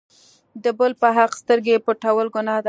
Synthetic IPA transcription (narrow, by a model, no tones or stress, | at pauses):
d̪əbəlpəɦaqst̪əɾɡepəʈawəlɡʊnɑd̪a